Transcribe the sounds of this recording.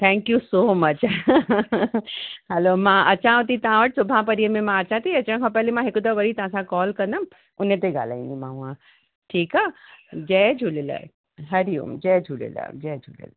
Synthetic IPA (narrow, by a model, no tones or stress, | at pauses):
t̪ʰɛ̃ːŋkjusoːmɐt͡ɕ | hɛloːmãːʔɐt͡ɕãʊt̪it̪ɐʋãʋəʈsʊbʱãpɐɾiːəmẽmãɐt͡ɕãt̪ʰiɐt͡ɕəɽ̃kʰãpɛɦlemãɦɪkʊd̪əʋɐɾit̪ɐʋãsãkɔːlkɐ̃nd̪əm | ʊnət̪eɡa̰ːl̤aːĩnd̪imãːũã | ʈʰiːkaːd͡ʑɛːd͡ʒʱuːlela̰ | ɦɐɾiṵmd͡ʑɛːd͡ʒʱulḛla̰d͡ʑɛːd͡ʒʱuːlḛl